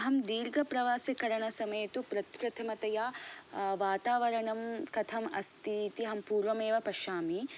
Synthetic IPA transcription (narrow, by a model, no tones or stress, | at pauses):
ɦɐmd̪iːɾɡʱɐpɾɐʋaːsɐkɐɾɐɳɐsɐmɐjɐt̪upɾɐt̪pɾɐt̪ʰɐmɐt̪ɐjaːʋaːt̪aːʋɐɾɐɳɐmkɐt̪ʰɐmɐst̪ʰiːt̪iɦɐmpuːɾʋɐmeːʋɐpɐʃaːmi